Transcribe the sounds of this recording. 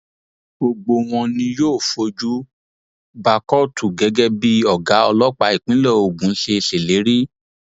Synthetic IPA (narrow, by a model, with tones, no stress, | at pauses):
ɡ͡bo˧ɡ͡bo˧w̃ɔ̃˧nĩ˧joː˦˨fo˧d͡ʒu˦ | ba˧kɔ˦˨tu˨ɡɛ˨˦ɡɛ˦bi˦ɔ˨ɡa˨˦ɔ˧lɔ˦k͡pa˧i˨k͡pĩ˨˦lɔ˦o˨ɡũ˨˦ʃe˧ʃe˨le˨˦ɾi˦